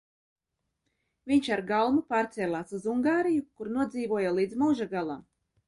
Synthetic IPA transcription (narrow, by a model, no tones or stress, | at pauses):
vʲiɲʃaɾɡalˠmupaːɾt̪sɛːlˠaːsuzuŋɡaːɾijukuɾnuɔd̪ziːvuɔjalˠiːd̪zmuːʒaɡalˠam